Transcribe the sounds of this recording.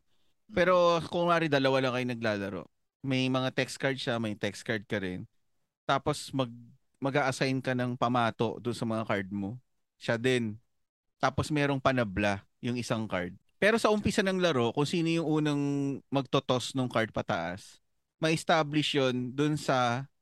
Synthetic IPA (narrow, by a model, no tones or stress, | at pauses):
pɛːɾo̞kʊŋmɐʔaːɾɪd̪ɐlɐwalɐŋkɐjoŋnɐɡ̚laːlɐɾo̰ʔ | mɐjmɐŋat̪ɛks̚kɐɹd̪̚ʃɐmɐjt̪ɛkskɐɹd̪̚kɐɾɪn | t̪aːpo̞smɐɡ̚ | mɐɡaːʔɐsajnkɐnɐŋpɐmaːt̪o̞̰ʔd̪ʊnsɐmɐŋakaɹd̪̚mo | ʃad̪ɛn | t̪aːposmɛːɾo̞ŋpɐnɐbla | jʊŋʔɪsaŋkaɹd̪̚pɛːɾo̞sɐʔʊmpɪsanɐŋlɐɾo̞kʊŋsiːnojʊŋʔuːnɐŋmɐɡ̚t̪ot̪o̞snoŋkaɹd̪̚pɐt̪ɐ̰ʔa̰s | mɐʔɪst̪aːblɪʃjond̪ʊnsɐ